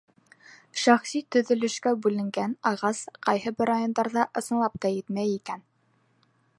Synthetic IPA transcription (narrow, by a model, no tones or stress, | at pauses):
ʃæχsit̪ɵ̆ðɵ̆lɵ̆ʃkæbʉlɘ̆ŋɡænɑʁɑsqɑjɦɤbɘɾajond̪ɑɾðɑʔɤ̆sɤ̆nlˠɑp̚t̪ɑjɘt̪mæjikæn